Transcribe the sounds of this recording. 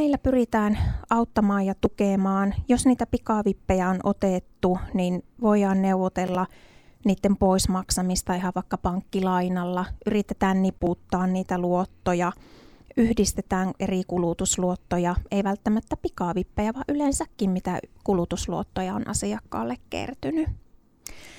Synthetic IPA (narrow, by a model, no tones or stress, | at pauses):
niːlːæpyrit̪æːnɑut̪ːɑmɑːjjɑt̪ukemɑːnjosniːt̪æpikɑˑʋipːejæonʔot̪et̪ːuninʋoiɑːnneuʋot̪elːɑniːt̪ːempoismɑksɑmist̪ɑihɑʋʋɑˑikːɑpɑŋkːilɑinɑlːɑʔyrit̪ːet̪æːnniput̪ːɑːnniːt̪æluot̪ːojɑʔyhdist̪et̪æːŋʔerikulut̪usluot̪ːojɑeiʋælt̪ːæmæt̪ːæpikɑˑʋipːejæʋɑʔylensækːimmit̪ækulut̪usluot̪ːojɑo̰nʔɑ̰siɑkːɑ̰ːlːekkḛrt̪yny